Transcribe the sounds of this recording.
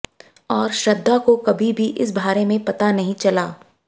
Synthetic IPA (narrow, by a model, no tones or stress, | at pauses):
ɔːɾʃɐd̪ʱːakokɐbʱibʱiʔɪs̬bʱaːɾemẽpɐt̪anɐɦĩt͡ʃɐlaː